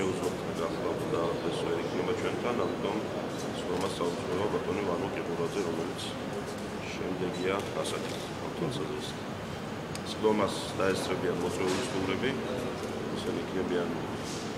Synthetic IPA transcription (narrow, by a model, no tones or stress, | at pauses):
ʃɛuzʁɔt̪ʰnɛnɡaχlˠabud̪aat̪ɛsvɛɾikʰnɛbat͡ʃʰwɛnt̪ʰanamit̪ʼɔm | sd̪ɔmasaut̪sʼɛvabat̪ʼɔnivanɔkʼiqʼuɾad̪zɛɾɔmɛlit̪sʰ | ʃɛmd̪ɛɡiaasakʼit̪skʰa̰ɾt̪ʰwɛlˠsazɾɛs | sʼd̪ɔmas | d̪̥aɛst̪sʰʼɾɛbianmɔt̪sʼɛulisʰɡ̪uvɾɛbi | isɛniikʰnɛbian